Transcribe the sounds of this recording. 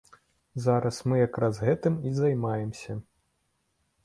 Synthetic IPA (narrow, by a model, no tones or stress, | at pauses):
zaɾɐsmɨjakɾazɣɛt̪ɨmizajmajɛmsʲɐ